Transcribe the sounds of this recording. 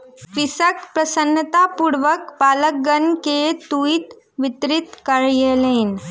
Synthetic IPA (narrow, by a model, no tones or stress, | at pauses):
pisəkpɾəsənːət̪apuɽʋəkpaləɡənket̪uit̪ | ʋit̪ɾit̪kəɭjelen